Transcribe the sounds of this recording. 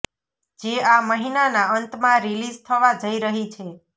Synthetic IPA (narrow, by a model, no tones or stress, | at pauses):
d͡ʒeaməɦinanaənt̪mãɾilizt̪ʰəʋad͡ʒəiɾəɦit͡ʃʰe